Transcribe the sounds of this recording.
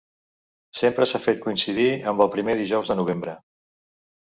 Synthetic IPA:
sempɾəsafet̪̚kuinsiðiəmbəlˠpɾimeðiʒɔwzðənuβ̞embɾə

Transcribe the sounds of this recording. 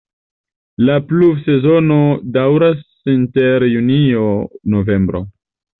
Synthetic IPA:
lapluvse̞zo̞no̞dawɾas | inte̞ɾjunionove̞mbɾo̰

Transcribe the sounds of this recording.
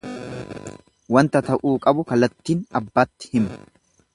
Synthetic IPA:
wɐnt̪ɐt̪ɐʔuːkʼɐbʊkɐlɐt̪ːiːnɐbːaːt̪ːɪ̥hɪm

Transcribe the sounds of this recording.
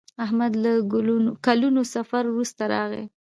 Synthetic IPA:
ahmad̪laɡkalunosafaɾwɾust̪aɾɑɣḛ

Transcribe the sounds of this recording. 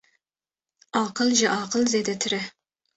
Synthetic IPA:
ɑqəlˠʒɛʔɑqəlˠzed̪ɛt̪ʰɪɾɪ

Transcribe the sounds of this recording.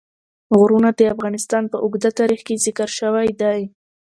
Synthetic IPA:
ɣʊɾunad̪əafɣɑnɪst̪ɑnpəʔʊɡd̪at̪ɑɾixkezɪkəɾʃəwajd̪aj

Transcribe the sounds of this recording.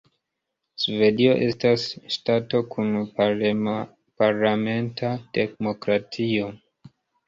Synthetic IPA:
sve̞dio̞̰ʔe̞stasʃtato̞kʰun | paɾlame̞ntʰate̞kmo̞kɾatʰio̞

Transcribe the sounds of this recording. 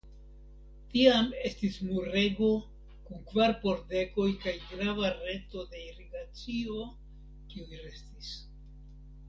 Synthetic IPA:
tiame̞stismuɾe̞ɡo̞ | kuŋkvaɾpo̞ɾde̞ko̞jkajɡɾavaɾe̞to̞de̞iɾiɡat͡sio̞ | kiujɾe̞stis

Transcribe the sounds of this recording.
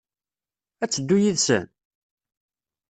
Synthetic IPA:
æt͡sːəd̪ːujiðsə̰n

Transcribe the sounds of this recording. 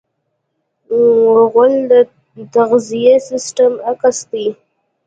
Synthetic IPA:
ɣəld̪ə | t̪aɣzijesɪsʈəmakast̪i

